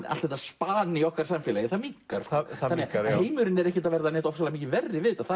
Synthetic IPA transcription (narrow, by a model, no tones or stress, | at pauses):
a̰lt̪vɛht̪ːaspaːnɪɔhkaɾ̥samfɛlajɪθamikaɾ̥anːɛɣaheːjmʏɾɪnɛɾɛhcɪt̪avɛɾðanɛːht̪ɔfsalamiːcɪvɛrːɪvɪðt̪aθa